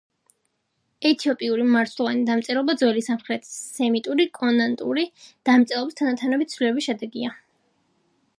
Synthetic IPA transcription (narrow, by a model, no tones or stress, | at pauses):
ɛt̪ʰiɔpʼiuɾimaɾt̪ʰlˠɔvanid̪amt̪sʼɛɾˠɔbad̪zwɛlisamχɾɛt̪ʰi̥sːɛmit̪ʼuɾikʼɔnant̪ʼṵɾid̪̥amt̪sʼɛɾlˠɔbist̪ʰanat̪ʰanɔbit̪sʰvlilɛbisʃɛd̪ɛɡia